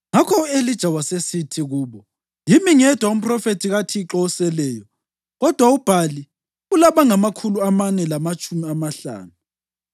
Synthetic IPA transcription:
ŋakʰɔelid̥ʒ̥ʱawasesitʰiɣuːβɔ | jimiŋɛd̥ʱwaum̩pʰrɔfetʰiɣatʰiːǁɔsɛlɛːjɔ | ɣɔd̥ʱwaub̥ʱali | ulaβaŋamakʰuluamanɛlamat͡ʃʼumiamaɬa̰ːnu

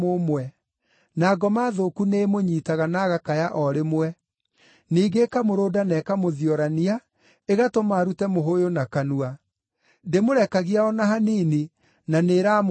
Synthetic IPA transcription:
omwɛ | naɡɔmaːðokuneːmoɲiːtaɣanaɣakajaʔɔɾemwɛ | niːɡekamoɾoːdanɛkamoðiɔɾania | eɣatomaːɾutɛmoɦojonakanua | demoɾɛkaɣiaɔnaɦaniːni | naneːɾaːm

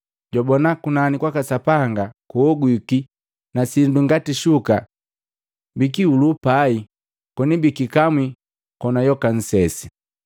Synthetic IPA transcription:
ɟɔbɔnakunanikwakasapaŋɡakuɔɡwiki | nasinduŋɡatiʃuka | bikiulupai | kɔnibikikamwi | kɔnajɔkan̩sɛsi̥

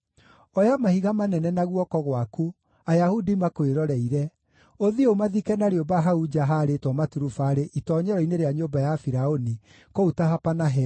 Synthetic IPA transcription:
ɔjamahiɣamanɛnɛnaɣwɔkɔɣwaku | ajahudimakoeɾɔɾɛiɾɛ | oðiomaðikɛnaɾeobaɦaud͡ʒaɦaɾetwɔmatuɾufaɾeʔitɔːɲɛɾɔineɾeaɲobajafiɾaoni | koutaɦapanaɦɛ

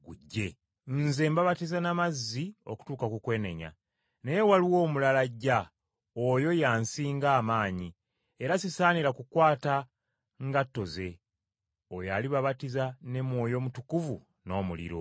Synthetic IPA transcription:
ɡuɟːe̞ | nze̞ːmbaβatizanamazːio̞̰ku̥tuːkakukwe̞ːne̞̰ɲa̰ | nejewaliwo̞ːmulalaɟa | ojo̞jaːnsiːŋɡaːmaːɲi | eɾasisaːniɾakukwaːta | ŋɡatːo̞ze̞ | ojaliβaβatizane̞mwo̞ːjo̞mutukuvu | no̞ːmulḭɾo̞̰

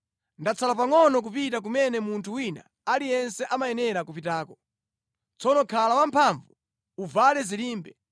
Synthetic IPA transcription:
ndat͡sʰalap̬aŋɔnɔk̬upitak̬umɛnɛmuntʰuwina̰ | alijɛnsɛʔamajɛnɛɾakup̬itaːkɔ̥ | t͡sʰɔnɔkʰalawampʰaɱvu | uvalɛziliːmbɛ

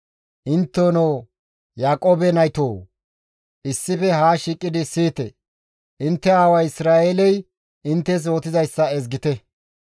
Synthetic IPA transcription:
ʔɪnt̪ːoːnoː | jaːkʼoːbɛnɐjt̪oː | ʔɪsːɪfɛɦaːʃiːkʼːɪd̪ɪsiːt̪ɛ̰ | ʔɪnt̪ːɛaːwɐjɪsɾaːeːlɛj | ɪnt̪ːɛs̬oːt̪ɪzɐjsːɐɛzɡɪt̪ɛ

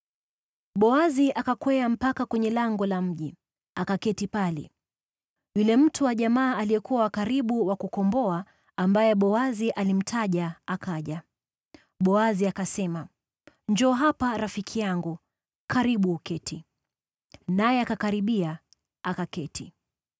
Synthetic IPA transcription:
ɓɔaziʔakakwɛam̩pakakwɛɲɛlaŋɡɔlam̩ʄi | akakɛtipalɛ̰ | julɛm̩tʰuwaʄamaːlijɛkuwawakaɾiɓuwakukɔmbɔa | ambajɛɓɔaziʔalim̩tʰaʄaakaʄa | ɓɔaziakasɛma | ɲd͡ʒɔːɦapaɾafikʰijaŋɡu | kaɾiɓuːkɛtʰi | najɛakakaɾiɓia | akakɛtʰi

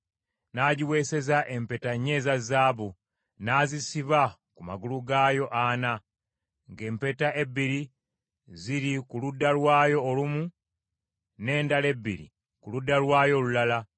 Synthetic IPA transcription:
naːɟiwe̞se̞zaʔe̞mpe̞taɲːe̞ːzazaːβu | naːzisiβakumaɡuluɡaːjo̞ʔana | ŋɡe̞ːmpe̞taʔe̞bːiɾi | ziɾikuludːalwaːjo̞ːlumu | ne̞ːndale̞bːḭɾḭ | kuludːalwaːjo̞ːlulala

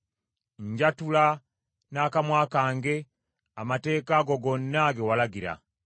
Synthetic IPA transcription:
ɲɟatula | nakamwaːkaːŋɡe̞ | amate̞ːkaɡoɡo̞nːaɡewalaɡiɾa̰

